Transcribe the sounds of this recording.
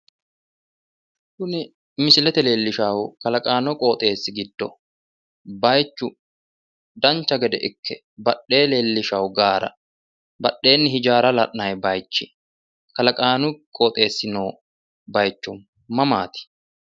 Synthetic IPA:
kʊnɪ | mɪsɪlɛt̪ɛleːlːɪʃaːwʊkɐlɐkʼaːnɔkʼoːt̪ʼe̞ːsːɪɡɪd̪ːɔ | bɐjt͡ʃːʊ | d̪ɐnt͡ʃːɐɡɛd̪ɛʔɪkʰːɛ | bɐɗːe̞ːle̞ːlːɪʃɐwɡaːɾɐ̰ | bɐɗːe̞ːnːɪhɪd͡ʒaːɾɐlɐʔnɐjbɐjt͡ʃːɪ | kɐlɐkʼaːnʊkʼoːt̪ʼe̞ːsːɪnoː | bɐjt͡ʃːʊmː | ɐmaːt̪ɪ̥

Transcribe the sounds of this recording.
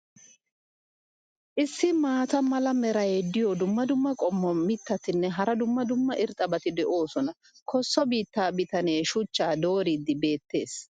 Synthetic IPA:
ʔɪsːɪmaːt̪ɐmɐlɐmɛɾɐjed̪ɪjɔd̪ʊmːɐd̪ʊmːɐkʼɔmːɔmɪt̪ːɐt̪ɪnːɛɦɐɾɐd̪ʊmːɐd̪ʊmːɐʔɪɾt̪ʼːɐbɐt̪ɪd̪ɛʔo̞ːsɔnɐ | kʰɔsːɔbiːt̪ːaːbɪt̪ɐne̞ːʃʊt͡ʃːaːd̪o̞ːɾid̪ɪbe̞ːt̪ːe̞ːs

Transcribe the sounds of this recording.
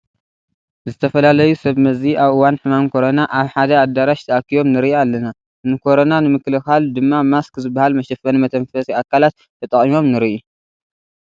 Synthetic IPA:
zɨt̪ʰɐfɐlalɐjusɐβmɐziʔaβʔɨwanħɨmamkʰo̞ɾonaʔaβħad̪ɐad̪aɾaʃt̪ʰɐakːijo̞mnɨɾiʔialːɐna | nɨkʰo̞ɾo̞nanɨmɨklɨxald̪ɨmːamaskzɨbːahalmɐʃɛfɐnimɐt̪ʰɐmfɐsʼiakʰːalat̪ | tʰːɐt̪ʼɐχʼimo̞mnɨɾiʔu

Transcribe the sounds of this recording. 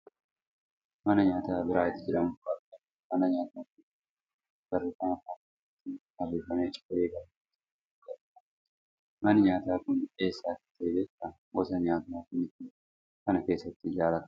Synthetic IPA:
mɐnɐɲaːt̪aːbɪɾaːɪt̪ːɪd͡ʒɛᶑɐmʊɡɐtɐ | mɐnɐɲaːt̪aːkɪ | ɡ̥ɐreːfɐnɐfakː | ɐt̪ːɪhɐrːeːfɐneːt͡ʃʼɪ̥ɐeːɡɐɾɐt̪ːɪ | ɡɐ | ɐ̥ | mɐnɐɲaːt̪aːkʊne̞ːsːaːt̪ɪ̥t̪ːeːd͡ʒɛt̪ːɐ | wɔsɐɲaːt̪nakʊnɪt̪ɪ | kɐnɐke̞ːsːɐt̪ːɪd͡ʒaːlɐt̪ɐ̥

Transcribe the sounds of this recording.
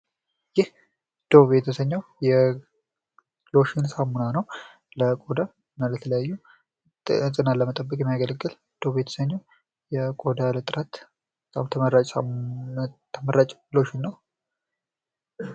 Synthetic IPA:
jɪh | d̪̥oβet̪ʰəsəɲːawjɛ | lo̞ʃɪnsamunanəw | ləkʼod̪a | nalət̪ʰələjajːu | sʼɨnaləmət̪ʼəbːəkʼjɛmijaɡələɡːɨl | d̪̥obet̪ʰə̥səɲːaw | jɛkʼod̪alət̪ʼɨɾat̪ | bət̪ʼamt̪ʰəməɾat͡ʃʼsa̰m | t̪ʰːəməɾat͡ʃʼloʃɪnːəw

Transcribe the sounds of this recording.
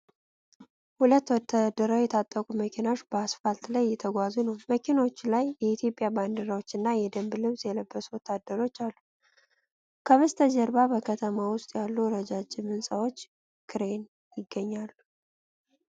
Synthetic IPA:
hulət̪ːwɔt̪ʰːad̪əɾəwjɛt̪ʰat̪ʼːəkʼuməkʰinaoʃbəasfalt̪ləjːɛt̪ʰəɡʷazunəwməkʰino̞t͡ʃːlajːɛit̪ʰjo̞pʼːjaband̪əɾawo̞t͡ʃːɨnːajɛd̪əmblɨβsʼjɛləbːəsuwɔt̪ʰːad̪ːəɾo̞t͡ʃːalːu | kʰəβɨst̪ʰəd͡ʒəɾbabəkʰət̪ʰəmawʊst̪ʼjalːuɾəd͡ʒad͡ʒɪmɨnsʼawo̞t͡ʃː | kʰɨɾe̞n | jɪɡːəɲːalːu

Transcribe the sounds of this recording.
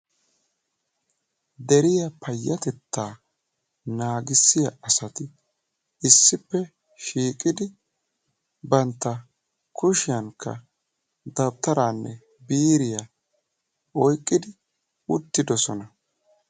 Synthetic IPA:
d̪ɛɾɪjɐpʰɐjːɐt̪ɛt̪ːaː | naːɡɪsːɪjɐʔɐsɐt̪ɪ | ɪsːɪpːɛ | ʃiːkʼɪd̪ɪ | bɐnt̪ːɐ | kʰʊʃɪjɐŋkːɐ̰ | d̪ɐb̚t̪ɐɾaːnːɛ̰ | biːɾɪjɐ | ɔjkʼːɪd̪ɪ | ʊt̪ːɪd̪ɔsɔnɐ

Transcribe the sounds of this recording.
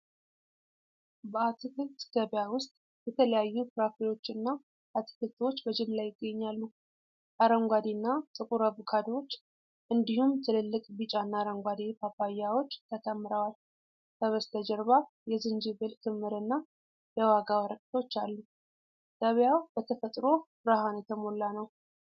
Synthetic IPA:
bəat̪ʰɨkɨt̪ɡəβjawʊst̪ʼ | jɛt̪ʰələjajːupɨɾakɾiwo̞t͡ʃːɨnːa | ʔat̪ʰɨ̥kɨlt̪ʰwo̞t͡ʃːbəd͡ʒɪmlajɪɡːəɲːalːu | ʔaɾəŋɡʷad̪inːat̪ʼɨkʼuɾəβukʰad̪wo̞t͡ʃː | ʔɨnd̪ihumt̪ʰɨlɨlːɨkʼbit͡ʃʼanːaɾəŋɡʷad̪ipʰapajːawo̞t͡ʃːt̪ʰət̪ʰəmːɨɾəwal | t̪ʰəβəst̪ʰəd͡ʒɛɾβa | jɛzɨnd͡ʒiβɨlk̪ʰɨmːɨɾɨnːa | jɛwaɡawəɾəkʼt̪ʰo̞t͡ʃːalːu | d̪̥əβjawbət̪ʰəfət̪ʼɾo̞bɾahanjɛt̪ʰəmo̞lːanəw

